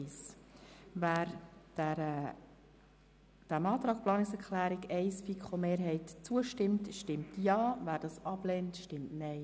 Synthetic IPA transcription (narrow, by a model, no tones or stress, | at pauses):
ɪs | væːɾd̥æɾə | d̥æmɑːt̪ɾɑːkplɑːnɪksɛɾkʰlæːɾiɡɛɪsfikχomeːɾɦɛɪtt͡suəʃtɪmtʃtɪmtjɑːvæːɾd̥ɑsɑb̥lɛːntʃtɪmtnɛɪ